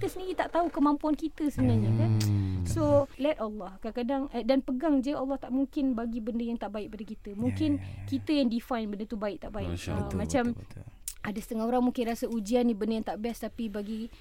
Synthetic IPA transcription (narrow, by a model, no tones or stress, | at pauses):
t̪əsəndiɾit̪aʔt̪aukəmãmpuankit̪əsəbənaɲakansolɛtalːɔhkaakadaŋədanpəɡaŋd͡ʒəalːɑht̪aʔmuŋkɪnbaɡibəndəjaŋt̪aʔbaɪk̚padakit̪əmũŋkɪnkit̪əjaŋdifajnbəndət̪ubaɪʔ̚t̪aʔbaɪʔəmãt͡ʃam | adasə̥t̪əŋahoɾaŋmuŋkɪnrɾasaud͡ʒianːibəndəjaŋt̪aʔbɛst̪apibaɡi